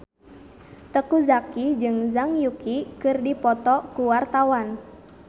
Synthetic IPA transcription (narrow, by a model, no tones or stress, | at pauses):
t̪əkuzakid͡ʒɨŋzaŋjukikɨrdipɔt̪ɔkuwart̪awan